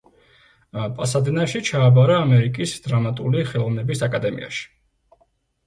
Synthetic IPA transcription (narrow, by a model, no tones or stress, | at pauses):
pʼasad̪ɛnaʃit͡ʃʰaːbaɾaːmɛɾikʼisd̪̥ɾamat̪ʼuliχɛlˠɔvnɛbisakʼad̪ɛmḭa̰ʃi̥